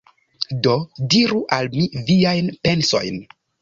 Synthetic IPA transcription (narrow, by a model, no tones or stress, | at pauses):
do̞diɾuʔalmiviajnpe̞nso̞̰jn